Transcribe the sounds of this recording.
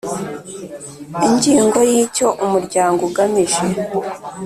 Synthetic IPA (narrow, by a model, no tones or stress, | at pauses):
iɲɟiːŋɡo̞jiːco̞ʔumuɾɟaːŋɡuɡamiʒe